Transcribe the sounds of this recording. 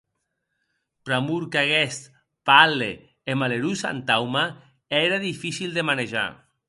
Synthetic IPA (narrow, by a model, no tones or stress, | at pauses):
pɾamuɾkaɣest̪ | pale | emaleɾusa̰nt̪awma | eɾaðifisild̪emaneʒa̰